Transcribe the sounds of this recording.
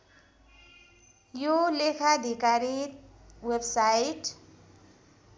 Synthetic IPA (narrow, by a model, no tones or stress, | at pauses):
jolekʰad̪ʱikaɾi | websajiʈ